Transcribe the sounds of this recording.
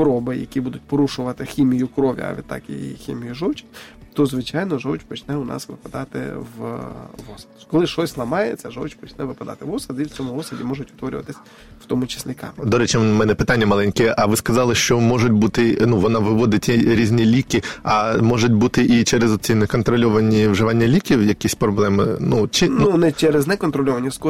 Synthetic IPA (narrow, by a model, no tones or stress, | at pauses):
pɔɾɔbɪjɐ̰kʲibud̪ʊtʲpɔɾuʃʊʋɐt̪ɪxʲimʲijʊkɾɔʋʲḭɐ̰ʋʲḭd̪t̪ːɑ̰kḭjḭxʲḭmʲijʊʒɔwt͡ʃʲɪ̥t̪ɔzʋɪt͡ʃɑjnɔʒɔwt͡ʃpɔt͡ʃnɛʊnɑ̰sʋɪpɐd̪ɑt̪ɪ̰ʋʋɔsɐ̥d̪kɔlˠɪʃɔsʲslˠɐmɑjet͡sʲːɐʒɔwt͡ʃʲpɔt͡ʃnɛʋɪpɐd̪ɑ̰t̪ɪʋɔsɐd̪iwt͡sʲɔmʊɔsɐdʲimɔʒʊtʲʊt̪ʋɔɾʲʊ̰ʋɐt̪ɪsʲ | w̥t̪ɔmʊt͡ʃɪ̥sʲlʲikɑ̰md̪ɔɾɛt͡ʃɪmɛnɛpɪt̪anʲːɐmɐlˠɛnʲkɛʔɐʋɪskɐzɑlˠɪʃt͡ʃɔmɔʐʊtʲbut̪ɪnuʋɔnɑʋɪʋɔd̪ɪtʲiɾʲizʲnʲilʲikɪɐmɔʐʊtʲbut̪ɪʔit͡ʃɛɾezɔt͡sʲinɛkɔnt̪ɾɔlʲɔʋɐnʲiʋʒɪʋɑnʲːɐlʲikʲiwjɐkʲisʲpɾɔblˠɛmɪnut͡ʃinunɛt͡ʃɛɾɛznɛkɔnt̪ɾɔlʲɔʋɐnʲːɐsk